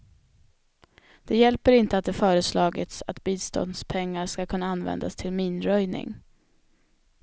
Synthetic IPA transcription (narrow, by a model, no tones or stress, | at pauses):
d̪̥ɛjɛlpəɾɪnt̪əat̪̚d̪ɛfœːɾəslɑːɡɪ̰t̪sat̪biːst̪ɔ̰nd̪spʰɛŋːaɾʂkakʰɵnːaanvɛ̰nd̪a̰st̪ʰɪlmiːnɾœjnɪ̰ŋ